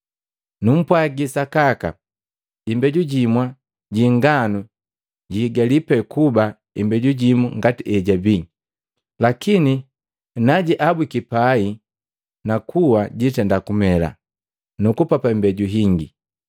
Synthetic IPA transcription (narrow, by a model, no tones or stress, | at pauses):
num̩pwaɡisakaka̰ | imbɛɟuɟimwa | ɟiŋɡanu | ɟiːɡalipɛkuba | imbɛɟuɟimuŋɡatiʔɛɟabi | lakini | naɟiʔabwikipai | nakʰuwaɟitɛndakumɛla̰ | nukupapaimbɛɟuɦiŋɡḭ